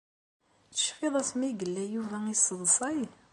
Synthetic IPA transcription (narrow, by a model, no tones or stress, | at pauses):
t͡sə̥ʃfɪðˤæsmiɡəlːæjuvæisːəðˤsˤɑj